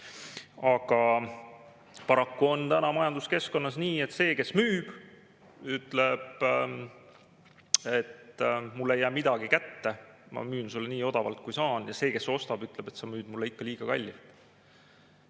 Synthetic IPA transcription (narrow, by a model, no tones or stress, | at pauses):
ɑɡ̥ɑ | pɑɾɑkːuo̞nt̪ænɑmɑjɑnd̪uske̞sko̞nːɑsniːe̞t̪ːse̞ːke̞smyːb̥ | yt̪ːˑle̞b̥ | e̞t̪mulːe̞jːæːmid̪̥ɑɡ̥ikæt̪ːe̞mɑ̰myːnsulːeniːo̞d̪ɑvɑ̰lt̪̚kujsɑːnjɑse̞ːke̞sːo̞st̪ɑb̥yt̪ˑleb̥e̞t̪sɑmyːd̪̥̚mulːeikːɑliːɡ̥ɑkɑlʲːit̪